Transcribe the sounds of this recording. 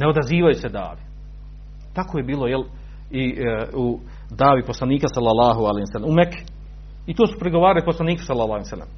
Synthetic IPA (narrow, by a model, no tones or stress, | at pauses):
neo̞d̪aziːʋajused̪a̰ːʋi | t̪akoje̞biːlˠo̞jel | iu | d̪aːʋipo̞slˠaniːkasalːalaːɦoalehimsalːemumekʰː | it̪oːsu̥pɾiɡo̞ʋaːɾaliposlˠaniːku̥salːalˠɑːhimsalːḛm